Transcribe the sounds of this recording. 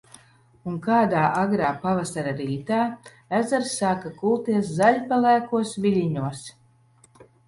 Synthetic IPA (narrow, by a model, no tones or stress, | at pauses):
uŋkaːd̪aːʔaɡɾaːpavasaɾaɾiːt̪aː | æzaɾsːaːkakulˠt̪iɛszaʎʲpalˠæːkuɔsvʲiʎʲiɲuɔs